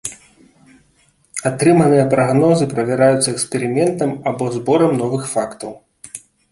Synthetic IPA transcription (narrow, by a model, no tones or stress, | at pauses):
at̪ɾɨmɐnɨjɐpɾaɣnɔzɨpɾɐvʲaɾajut̪sːɐɛkspʲɛɾɨmʲɛnt̪ɐmabɔzbɔɾɐmnɔvɨxfakt̪ɐw